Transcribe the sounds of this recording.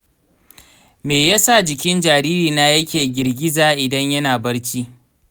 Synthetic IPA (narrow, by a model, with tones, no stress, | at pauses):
meː˨ja˦sa˦˨d͡ʒɪ˨kʲɪ˦nd͡ʒaː˨ɾiː˦ɾiː˨naː˦jɐ˦kʲeː˨ɡʲɪ˨rɡʲɪ˦zaː˨ʔɪ˨dɐ˦ɲjɐ˦naː˨bɐ˦ɽt͡ʃiː˦